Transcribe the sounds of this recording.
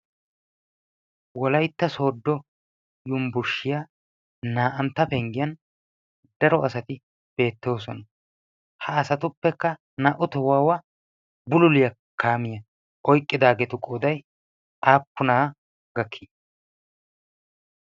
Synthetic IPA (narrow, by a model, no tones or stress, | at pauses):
wɔlɐjt̪ːɐso̞ːd̪ːɔ | jʊmbʊɾʃɪjaː | naːʔɐnt̪ːɐpɛŋɡɪjɐn | d̪̥ɐɾɔɐsɐt̪ɪ | b̥e̞ːt̪ːo̞ːs̬ɔnɐ | hɐːsɐt̪ʊpːɛkːɐ | naʔʊt̪ɔwaːwɐ | bʊlʊlɪjɐ | kʰːaːmɪjɐ | ʔɔjkʼːɪd̪aːɡɛt̪ʊkʼoːd̪ɐj | ʔaːpːʊnaː | ɡɐkʰːɪ